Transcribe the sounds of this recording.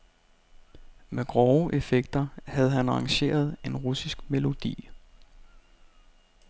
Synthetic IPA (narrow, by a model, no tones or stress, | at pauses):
meɡ̥ʁɒʊʔe̝feɡ̥̚d̥ɐhæð̞̩ˠɦænɑ̈ɑŋɕe̝̰ːɐð̞ˠe̝nʁusisɡ̥me̝lo̝d̥ḭː